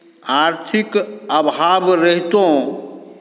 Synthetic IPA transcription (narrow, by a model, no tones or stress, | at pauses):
aɾt̪ʰikəbɦabɾəɦt̪õ